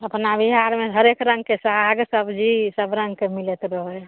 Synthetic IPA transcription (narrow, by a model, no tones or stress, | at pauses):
əpnabiɦaɾmeɦəɾekɾə̃ŋɡ̚kesəɦaɡsəbd͡ʒisəbɾə̃ŋɡkemilɛt̪ɾəɦəj